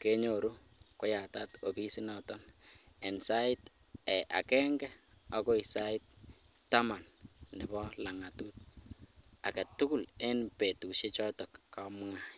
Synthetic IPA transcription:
ke˦ɲoɾu˦ | ko˦ja˨tato˨bi˦si˦nɔtɔnɛ˨nsa˦ɪ˦t | ɛ˨ʔa̰˨kɛ˦ŋɡɛ˦ | ɔ˦kɔ˦i˨sa˦ɪ˦t̚ | tːama˨nnɪ˨bɔla˨ŋa˨tu˦t̚ | a˨ka˨tu˦ku˦˨le˦npe˨tu˨ʃe˦t͡ʃɔ˦tɔ˨kːam˦a

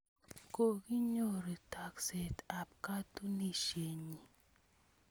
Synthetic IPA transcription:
ko˨ki˦ɲo˦˨ɾi˨ta˨kse˨ta˨p̚ka˦tu˦ni˦ʃe˨ɲi˨

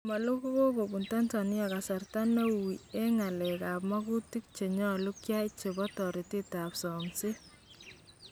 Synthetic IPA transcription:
ma˨lu˦ku˦ko˦bo˨bu˨nta˦ntani˦a˨ka˨sa˨rta˦no˦wie˦ŋa˨lɛ˨ka˨pma˦ku˦tik̚t͡ʃe˨ɲɔ˦lu˦kja˦jt͡ʃe˨bɔtɔɾi˨ti˦ta˨psɔ˨ŋsi˦

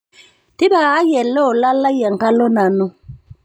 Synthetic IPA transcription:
tɪ˦baː˨˦jɛ˨lɔ˦ɔ˨la˦la˦jɛ˨ŋ˨ka˦lɔ˦na˨nu˦

